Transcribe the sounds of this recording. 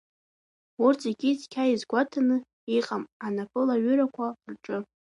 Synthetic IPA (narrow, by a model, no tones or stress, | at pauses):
urt͡sʰʼeɡʲit͡skʲʰaizɡʷatʰanɨ | iqʼamanapʰɨlaɥʏɾakʷʰarʈ͡ʂʼɨ